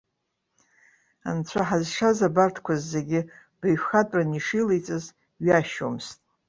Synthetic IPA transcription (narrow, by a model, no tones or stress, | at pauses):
a̰nt͡ɕʷʰaħazʂazabartʰkʷʰazːeɡʲɪ | b̥ɨjχatʼraniʂilejt͡sʼɨz | ɥaʃomstʼ